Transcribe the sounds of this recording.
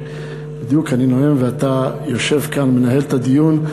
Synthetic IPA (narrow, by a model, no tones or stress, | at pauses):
bid̪jukaninoemveat̪ajo̞ʃe̞vkanmenaɦe̞lt̪ad̪ijun